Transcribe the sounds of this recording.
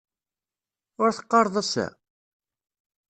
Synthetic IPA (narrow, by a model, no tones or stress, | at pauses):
ʊɾθə̥qːɑɾˤðˤæsæ̰